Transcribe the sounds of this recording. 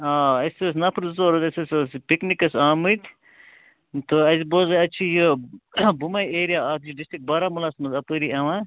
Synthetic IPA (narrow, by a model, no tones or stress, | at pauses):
aːɐsos̬nɐpʰɾzoːɾut̪ɐsɐsʲosipiknikɐsaːmɨt̪ʰ | t̪oɐziboːzɐɐt͡ʃʰijə | bumɐjeːɾijaaːt̪ʰt͡ʃiɖisʈɾik̚bɐɾamulaːsmɐzɐpəɾiɐʋã